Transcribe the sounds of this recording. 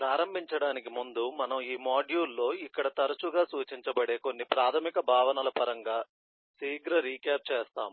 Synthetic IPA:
pɾaːɾɐmbʱiɲt͡ʃɐɽaːnik̬imund̪umɐnɐmiːmaːɖjuːlːo̞ːikːɐɽɐt̪ɐɾɐt͡ʃuɡaːsuːt͡ʃiɲt͡ʃɐbɐɽe̞ːko̞nːipɾaːt̪ʰɐmikɐbʱaːʋɐnɐlɐpɐɾɐŋɡaː | siːɡɾɐɾiːkaːp̚t͡ʃeːst̪aːmu

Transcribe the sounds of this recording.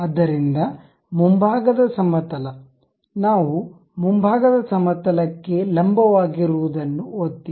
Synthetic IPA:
ɐd̪ːɐɾind̪ɐ | mumbʱaːɡɐd̪ɐsɐmɐt̪ɐlɐ | naːʋu | mumbʱaːɡɐd̪ɐsɐmɐt̪ɐlɐkːe̞lɐmbɐʋaːɡiɾuʋud̪ɐnːuot̪ːi

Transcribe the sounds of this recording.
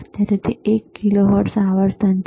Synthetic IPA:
t̪aɾet̪ʰiekːiloɦəʈsaʋəɾt̪ʰənt̪

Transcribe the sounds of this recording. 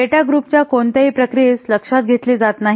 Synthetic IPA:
eʈaɡɾuːpt͡ɕjakoɳt̪aɦipɾəkɾisləkʂat̪̚ɡʱet̪liːd͡zat̪naɦ

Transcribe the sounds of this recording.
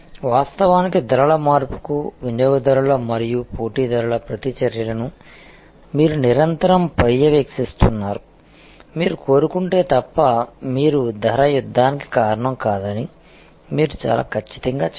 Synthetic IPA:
ʋaːst̪ɐʋaːnikid̪ʱɐɾɐɭɐmaːɾpu̥kuʋinjɔːɡɐd̪ɐɾuɭɐmɐɾijupoːʈiːd̪ɐɾɐɭɐpɾɐt̪it͡ʃɐɾjɐlɐnu | miːɾuniɾɐnt̪ɐɾɐmpɐjjɐʋeːksist̪unːaːɾu | miːɾuko̞ːɾukuɳʈe̞ːt̪ɐpːɐmiːɾud̪ʱɐɾɐjud̪ʱːaːniki̥kaːɾɐɳɐmkaːd̪ɐni | miːɾut͡ʃa̰ːla̰ːkʰɐt͡ʃːi̥t̪ɐŋɡaː

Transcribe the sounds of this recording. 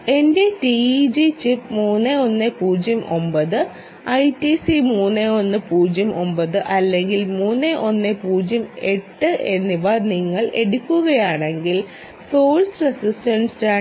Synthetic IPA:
e̞nde̞ʈid͡ʑit͡ɕipmuːnːeo̞nːepuːd͡ʑjɐmʔo̞̰mbɐðɨ | ɐjtisimuːnːeo̞nːɨpuːd͡ʑjɐmo̞mbɐðɨʔɐlːe̞ŋɡilmuːnːeʔo̞nːepuːd͡ʑjɐme̞ʈːɨʔe̞nːiʋaniŋːɐɭʔe̞ɽukʲːuɣɐjaːɳe̞ŋɡil | so̞ːlsrɐsisʈɐnsaː

